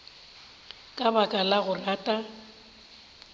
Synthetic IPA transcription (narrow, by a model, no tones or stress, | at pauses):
kʼabakʼalaɣʊraːtʼa